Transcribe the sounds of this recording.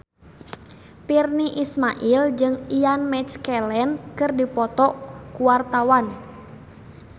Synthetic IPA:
pirniʔismaʔild͡ʒɨŋianmɛt͡ʃkɛlɛnkɨrdipɔt̪ɔʔkuwart̪awan

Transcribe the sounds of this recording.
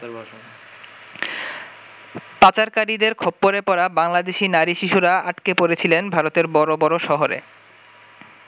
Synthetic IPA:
pat͡ɕaɾkaɾid̪eɾkʰɔpːoɾepɔɾabaŋlad̪eʃinaɾiʃiʃuɾaaʈkepoɾet͡ɕʰilenbʱaɾot̪eɾbɔɾobɔɾoʃɔɦoɾḛ

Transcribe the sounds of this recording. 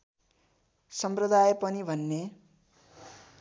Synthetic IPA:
sʌmprʌd̪ajepʌnibʱʌnːe

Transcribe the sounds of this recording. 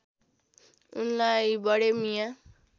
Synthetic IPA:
unlajbʌɽemija

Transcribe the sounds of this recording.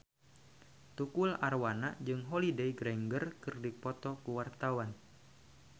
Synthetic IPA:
t̪ukularwanad͡ʒɨŋɦɔlideiɡɾɛŋɡərkɨrdipɔt̪ɔkuwart̪awan

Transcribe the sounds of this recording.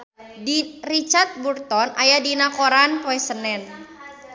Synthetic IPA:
dirit͡ʃart̪̚burt̪ɔnʔajadinakoɾanpoɛsənɛn

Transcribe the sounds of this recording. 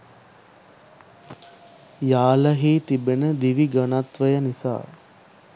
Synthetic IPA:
jaːləɦiːt̪ibenəd̪iʋiɡənat̪ʋəjənisa̰ː

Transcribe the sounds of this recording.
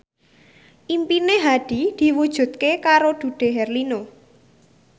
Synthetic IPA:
ʔimpineɦaɖ̥i̤d̪̥i̤wud̥ʒ̥ṳt̪̚kekaɾod̪̥ṳɖ̪̥e̤ɦɛrlino

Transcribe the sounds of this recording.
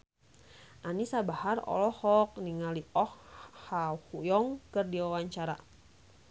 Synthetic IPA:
ʔanisabaharɔ̰lɔhɔk̚niŋaliɔhhauhujɔŋkɨrdiwawaɲt͡ʃaɾa̰

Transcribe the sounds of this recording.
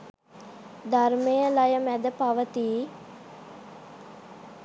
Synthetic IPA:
d̪ʱaɾmejəlajəmæd̪əpaʋət̪iː

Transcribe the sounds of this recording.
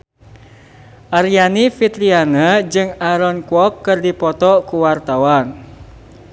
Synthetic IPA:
ʔaɾianifit̪ɾianad͡ʒɨŋaɾɔnkwɔp̚kɨrdipɔt̪ɔkuwart̪awan

